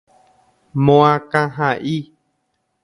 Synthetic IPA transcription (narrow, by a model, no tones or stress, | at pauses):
mõãkãɦãʔi